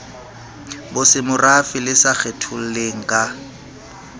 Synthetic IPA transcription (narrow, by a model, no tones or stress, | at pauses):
bʊsɪmʊrafɪlɪsak͡xetʰʊl̩leŋ̩kʼa